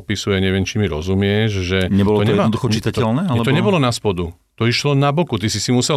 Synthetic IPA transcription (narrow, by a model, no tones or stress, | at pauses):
pisujɛɲɛʋɪɛmt͡ʃimiɾɔ̰zumɪɛʒʒɛɲɛbɔlɔɛɔd̪uxɔt͡ʃit̪ac̪ɛlnɛalɛt̪ɔɲɛbɔlɔnaspɔd̪u | t̪ɔiʃlɔnabɔkut̪isisimusɛ